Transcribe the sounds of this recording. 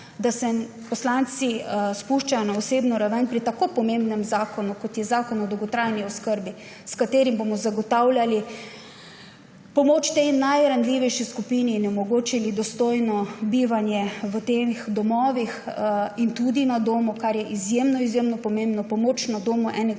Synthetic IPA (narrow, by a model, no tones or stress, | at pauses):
d̪asɛ | pɔslant̪sispuʃt͡ʃajɔnaɔseːbnɔɾaʋənpɾit̪akopɔmembnɛmzaːkɔnukɔt̪jɛzaːkɔnɔd̪ɔwɡɔt̪ɾajniɔskəɾbi | skat̪eːɾimbomɔzaɡɔt̪awlʲjali | pɔmoːt͡ʃt̪enajɾand̪liʋɛjʃiskupininɛmɔɡoːt͡ʃilid̪ɔst̪oːjnɔbiːʋanjɛʋət̪exd̪ɔmɔːʋixint̪ud̪inad̪oːmukaɾjɛʔizjemnɔizjemnɔpɔmembnɔpɔmoːt͡ʃnad̪oːmuʔɛnɛ